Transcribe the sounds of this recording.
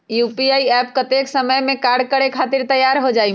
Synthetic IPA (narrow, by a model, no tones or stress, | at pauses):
juːpiaːiɛːpkɐt̪eːksəməjmẽkaːɾɖ̚kəɽekʰaːt̪ɪɾt̪ɐjaːɾɦod͡ʒaːi